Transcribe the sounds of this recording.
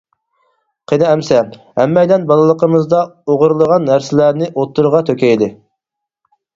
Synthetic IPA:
qʰenɪɛmsɛ | hɛmːɛjd̪ɛnbɑlˠɨlˠəqʰəmɨzd̪ɑoʁʊɾlˠəʁɑnːæɾsɪlæɾnɪʔot̪ːuɾʁɑt̪ʰøkʲɛjd̪ɪ

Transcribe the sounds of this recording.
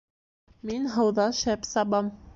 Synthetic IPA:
minɦɤ̆wðɑʃæpsɑbɑm

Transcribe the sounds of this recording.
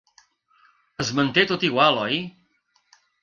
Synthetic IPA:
əzmənt̪et̪ot̪iɣwalˠɔj

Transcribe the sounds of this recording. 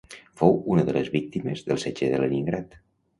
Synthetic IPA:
fowunəðələzβik̚t̪iməzðəlˠsed͡ʒeðələniŋɡɾat̪

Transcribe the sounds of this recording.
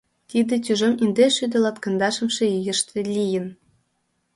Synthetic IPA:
t̪id̪ĕt̪ʲyʒĕmind̪eʃyd̪ĕlɑt̪kɤ̆nd̪ɑʃə̆mʃĕyjə̆ʃt̪ʰĕlʲijə̆n

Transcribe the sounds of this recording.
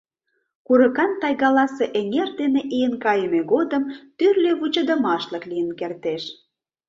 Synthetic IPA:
kuɾə̆kɑnt̪ɑjɣɑlɑseʔeŋerd̪eneʔijənkɑjəmeɣod̪əmt̪yrleβut͡ɕə̆d̪ə̆mɑʃləklijənkert̪eʃ

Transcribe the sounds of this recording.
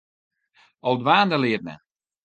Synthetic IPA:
owˠdʋaːndəlɪət̚mɛ̰n

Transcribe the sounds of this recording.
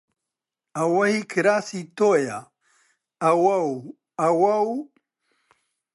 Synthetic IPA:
awɐhikʰɾasit̪oja | awaw | awaw

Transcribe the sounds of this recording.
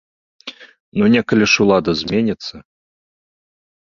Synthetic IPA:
nunʲɛkɐlʲiʂulˠad̪ɐzʲmʲenʲit̪sːɐ

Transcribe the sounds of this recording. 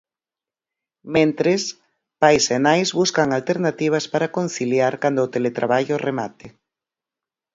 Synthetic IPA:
mẽnt̪ɾes | pajsenajzβuskaŋalt̪eɾnat̪iβ̞aspaɾakonθiljaɾkand̪oot̪elet̪ɾaβaʎoremat̪e

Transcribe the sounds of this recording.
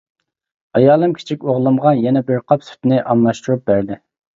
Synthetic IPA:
ɑjɑːlˠɨmkʲʰe̥t͡ʃʰik̚ʲoʁlˠɨmʁɑjɛnɛbɪɾqʰɑpsy̥t̪nɪʔɑmlˠɑʃt̪uɾup̚bæɾd̪ɪ

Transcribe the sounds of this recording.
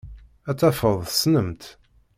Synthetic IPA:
æt͡sːæfəðˤsnəmt̪

